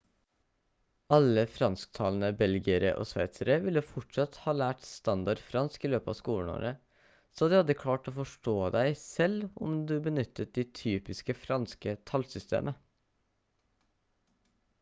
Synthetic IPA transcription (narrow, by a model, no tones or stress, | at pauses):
ɑləfɾɑnsk̚t̪ʰɑːln̩əbɛlɡɪəɾə̰ʔo̰ːsʋæɪt̪səɾəʋɪlːəfɔʈʂɑt̪hɑːlæːʈst̪ɑnd̪ɑɖfɾɑnskiːløːpəɑ̰ːskuːlɳ̩o̰ːɾə | soːd̪ɛhɑd̪əkʰlɑːʈoːfɔʂʈoːd̪æɪsɛlɔ̰md̪ʉːbənʏt̪ʰːət̪̚d̪ɛt̪ʰyːpɪskəfɾɑnskət̪ʰɑlsʏst̪ʰḛːmʔə